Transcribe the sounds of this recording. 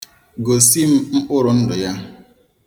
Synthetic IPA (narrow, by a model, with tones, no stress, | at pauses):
ɡo˨si˦m̩˦m̩˦k͡pʊ˦ɾʊ˨n̩˦dʊ˨ja˦